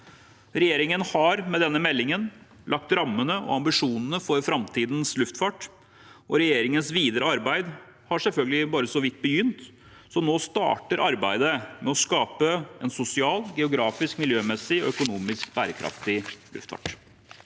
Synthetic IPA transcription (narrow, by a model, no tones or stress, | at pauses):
ɾɛjeːɾɪŋənhɑɾmɛd̪ɛnːəmɛlːɪŋən | lɑk̚t̪ɾɑmːənəʔɔ̰ɑmbɪʂuːnən̩əfɔɾfɾɑmt̪ʰiːd̪n̩slʉft̪fɑːʈ | ʔɔɾɛjeːɾɪŋənsʋiːd̪əɾəɑɾbæɪd̪ | hɑʂɛlfœlɡəlɪbɑːɾəsɔʋɪt̪̚ːbəjʏnt̪ | sɔmnoːst̪ɑ̰ːʈəɾʔɑɾbæ̰ɪd̪əmɛɔskɑːpəɛ̰nsʊsɪɑːlɡɛʊɡɾɑːfɪskmɪljøːmɛsɪɔ̰œkʊnuːmɪskbæːɾəkʰɾʔɑ̰ft̪ɪlʉ̰ft̪fɑ̰ːʈ